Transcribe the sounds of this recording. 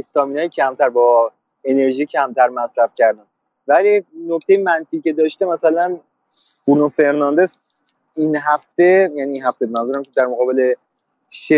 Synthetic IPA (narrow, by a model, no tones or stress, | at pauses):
est̪ɒːminɒːjecʰæmt̪ʰæɾbɒː | e̞ne̞ɾʒiːcʰæmt̪ʰæɾmæsɾæfcæɾd̪æn | vælinoct̪e̞jemænfiːcʲe̞d̪ɒːʃt̪e̞mæsælæn | uɾnofe̞ɾnɒnd̪e̞s | inɦæft̪e̞jæːniːnhɦæft̪ebemænzuɾæmcʰed̪æɾmoɣɒːbe̞le̞ | ʃe